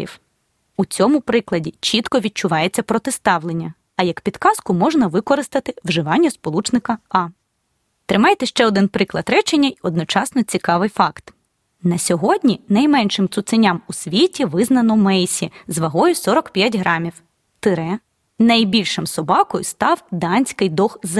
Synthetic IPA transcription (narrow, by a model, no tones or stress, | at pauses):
ḭw | ut͡sʲɔmʊpɾɪklˠɐdʲit͡ʃit̪kɔʋʲid̪̚t͡ʃʊʋɑjet͡sʲːɐpɾɔt̪ɪst̪ɑwlˠenʲːɐ | ɐjɐkpʲid̪kɑskʊmɔʒnɐʋɪkɔɾɪst̪ɐt̪ɪwʒɪʋɑnʲːɐspɔlˠut͡ʃnɪkɐɑ | t̪ɾɪmɑjt̪ɛʃt͡ʃɛɔd̪ɪnpɾɪklˠɐd̪ɾɛt͡ʃenʲːɐiɔd̪nɔt͡ʃɑsnɔt͡sʲikɑʋɪjfɑkt̪ | nɐsʲɔɦɔdʲnʲinɐjmɛnʃɪmt̪sʊt̪sɪnʲamusʲʋʲitʲiʋɪznɐnɔmɛjsʲizʋɐɦɔjʊsɔɾɔkpʲjatʲɦɾɑmʲiw | t̪ɪɾɛ | nɐjbʲilʲʃɪmsɔbɑkɔjʊst̪ɑwd̪ɑnʲsʲkɪjd̪ɔxz